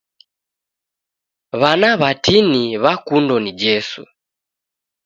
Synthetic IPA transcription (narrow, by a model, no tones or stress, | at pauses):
βanaβatiniβakundɔnid͡ʒɛsṵ